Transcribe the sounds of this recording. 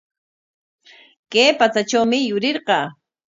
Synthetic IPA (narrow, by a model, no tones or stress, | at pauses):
keːpat͡sat͡ʃawmɪjʊɾɪɾɢɑː